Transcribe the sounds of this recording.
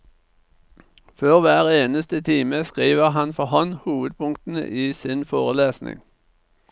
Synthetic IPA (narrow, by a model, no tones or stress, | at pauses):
føːʁʋæːʁeːnəst̪ət̪ʰiːməskʁiːʋəʁhɑnfɔhɔnhuːʋəd̪̚pʰʊŋkt̪n̩ə̰ʔiːsɪnfoːʁəleːsnɪ̰ŋ